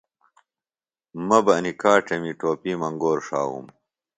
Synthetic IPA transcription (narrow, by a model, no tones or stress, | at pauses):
mɐbɐɐnikaːʈɐmiʈoːpiːmɐŋɡoːɾʂa̰ːwṵm